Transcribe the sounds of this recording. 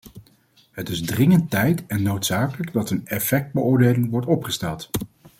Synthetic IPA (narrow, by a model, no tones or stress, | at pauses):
ɦətɪzdrɪŋəntɛjtɛnːowtsaːkələɡdɑtənɛfɛk̚d̚bəʊːɹdejlɪŋʋɔɹtɔpχəstɛlˠt